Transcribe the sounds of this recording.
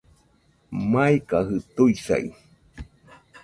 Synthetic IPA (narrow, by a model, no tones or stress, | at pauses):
maikaɦɨt̪uisa̰ḭ